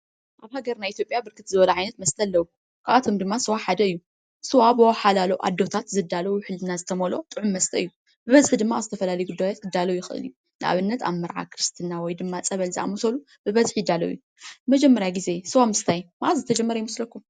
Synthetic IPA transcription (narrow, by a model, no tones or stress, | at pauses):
ʔaβhaɡɐɾnajʔit̪ʰjopʼjabɨɾkʰɨt̪zɨβɐlaʕajnɐt̪mɐst̪ʰʼɐlːɐwu | kʰaʔat̪ʰomd̪ɨmːasɨwaħad̪ɐɨjːu | sɨwabɨwɔħalalowʔa̰d̪ːo̞t̪ʰat̪zɨd̪alɐwuħɨlɨnazɨt̪ʰɐmolo̞̰t̪ʼɨʕumːɐst̪ʰʼɐɨjːu | bɨβɐzħd̪ɨmːaaβzɨt̪ʰɐfɐlalɐjuɡud̪ːajot̪̚kʰɨd̪ːalɐwjɪxɨʔɨ̰lju | nɨʔa̰βɨnːɐt̪ʰa̰mːɐɾʕa̰kʰɨɾɨst̪ʰɨnawɔjd̪ɨmːat͡sʼɐβɐlzḭʔa̰mut̪ʰolu | bɨβɐzħjɪd̪ːalɐ̰wuju | mɐd͡ʒɛmːɐɾjaɡize̞sɨwamɨst̪ʰajmaʔazɨt̪ʰɐd͡ʒɛmːɐɾɐjɪmɨslɐkːum